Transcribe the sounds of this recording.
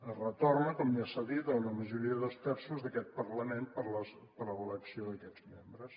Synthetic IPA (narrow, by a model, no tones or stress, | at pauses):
ərət̪ornəkɔmiasəðit̪əunəməʒuɾiəðəlˠst̪ɛɾsuzðəkɛt̪̚pərləmẽnpəɾləs | pəɾləβələksioðəkɛd͡zmembɾəs